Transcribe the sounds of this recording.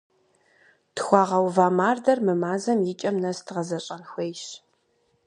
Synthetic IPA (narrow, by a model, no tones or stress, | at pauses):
txʷɑːʁɐwvaːmaːrdɐrmɨmaːzɐmjɪt͡ʃʼɐmnɐstʰɨʁɐzɐɕʼɐnxʷejʃ